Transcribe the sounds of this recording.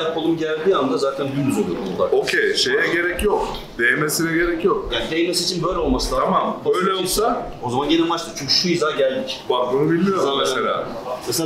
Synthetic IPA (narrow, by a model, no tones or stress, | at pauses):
japʰalˠɯmɟælʲd̪iːand̪azaːt̪ʰænd̪ymyzolˠuɾuolˠaɾokʰejʃejɛɟe̞ɾɛcjok | d̪̥ejemesiɾɛɟe̞ɾɛcjokjad̪ejemesit͡ʃʰinbø̞jlʲɛo̞lˠmasɯt̪aamamø̞jlʲɛolˠsa | o̞zamanɟenimat͡ʃt̪ʰˠɯt͡ʃʰyɲʲcʰy̥ʃujizaːɟælʲd̪icbakbunubilʲmijoɾaaʃeɾa̰ːsas